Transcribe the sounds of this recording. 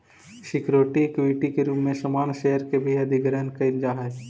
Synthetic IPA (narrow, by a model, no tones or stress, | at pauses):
ʃɪkʰɾoːʈiekʋiːʈikeɾuːpmẽsɐmaːnʃeɦəɾkebʱiɐd̪ʱɪɡəɾənkɐɪld͡ʒaɦɛː